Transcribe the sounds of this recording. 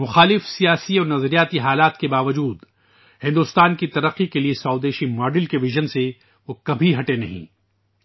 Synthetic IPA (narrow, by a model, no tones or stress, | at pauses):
mʊxaːlɪfsijaːsiɔːɾnɐzɾijaːt̪iɦaːlaːt̪kebaːʋɐd͡ʒuːd̪ | hɪ̃nd̪ʊst̪aːnkit̪ɐɾəqːikeliesaːd̪eːʃimaːɖɪlkeʋɪʒənse | ʋoːkɐbʱiɦɐʈenɐ̰ɦḭ̃ː